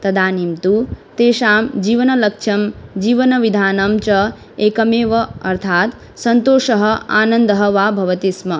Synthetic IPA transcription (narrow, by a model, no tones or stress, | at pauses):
t̪ɐd̪aːnimt̪ut̪eːʃaːmd͡ʒiːʋɐnɐlɐkʂʰɐmd͡ʒiːʋɐnɐʋid̪ʱaːnɐmt͡ʃɐ | eːkɐmeːʋɐɐɾt̪ʰaːt̪ | sɐnt̪oːʃɐɦɐaːnɐ̃nd̪ɐɦɐʋaːbʱɐʋɐt̪ismɐ